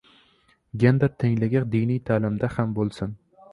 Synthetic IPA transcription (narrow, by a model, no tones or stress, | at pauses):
ɡʲend̪aɾt̪ʰeŋlɪɡʲad̪ijnijt̪ʰaːlɪmd̪ahambolˠsɪn